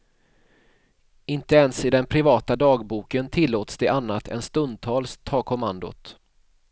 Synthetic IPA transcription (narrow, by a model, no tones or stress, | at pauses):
ɪnt̪əɛnsɪd̪ɛnpʰɾɪvɑːt̪ad̪ɑːɡbuːkənt̪ʰɪlːoːt̪sd̪ɛʔanːat̪ʰɛ̰nst̪ɵnd̪̚t̪ʰɑːlst̪ʰɑːkʰɔmand̪ʊ̰t̪